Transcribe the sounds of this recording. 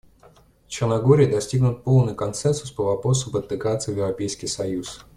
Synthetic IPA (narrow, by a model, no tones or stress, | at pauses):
ft͡ɕɪrnɐɡoɾʲɪjɪd̪ɐsʲtʲiɡnʊt̪̚po̞lˠnɨjkɐnsɛnsʊspəvɐpɾo̞sʊpət̪ːɨkat̪sɨjvjɪvrɐpʲejskʲɪjsɐjus